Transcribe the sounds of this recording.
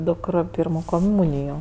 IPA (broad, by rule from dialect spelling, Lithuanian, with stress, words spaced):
ˈdʊkr ˈpʲiːrmoː koːˈmuːnʲɪjoː